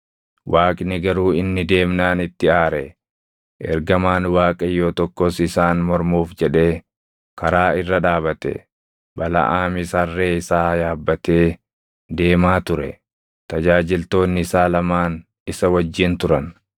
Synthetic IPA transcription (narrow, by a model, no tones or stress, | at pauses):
waːkʼnɪɡɐɾuːɪnːɪd̪e̞ːmnaːnɪt̪ːɪaːɾɛ̰ | ʔɛ̰ɾɡɐmaːnwaːkʼɐjːoːt̪ɔkːɔsɪsaːnmɔɾmuːfd͡ʒɛᶑe̞ː | kɐɾaːɪrːɐᶑaːbɐt̪ɛ̰ | bɐlɐ̰ʔaːmɪsɐrːeːɪsaːjaːbːɐt̪e̞ː | d̪e̞ːmaːt̪ʊɾɛ̰ | t̪ɐd͡ʒaːd͡ʒɪlt̪o̞ːnːɪɪsaːlɐmaːn | ɪsɐwɐd͡ʒːɪnt̪ʊɾɐn